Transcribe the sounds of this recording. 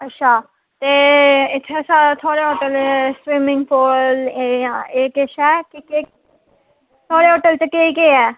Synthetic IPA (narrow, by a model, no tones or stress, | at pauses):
ətːʃʰaː | t̪eːɪt̪ʰːesaːt̪ʰoːɽeːɦoːʈəlsɾiːmɪŋɡpʰoːleeːkeʃɛːkɪke | t̪ʰoːɽeːɦoːʈəlt͡ʃəkeikeːɛː